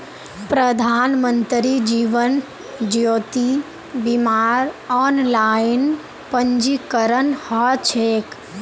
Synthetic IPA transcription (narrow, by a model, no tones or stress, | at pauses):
pɾəd̪ʱaːnmənt̪ɾid͡ʒiːʋən | d͡ʒjoːt̪i | bimaːɾɔːnlaːɪn | pəɲd͡ʒikəɾənhɔt͡ʃʰeːk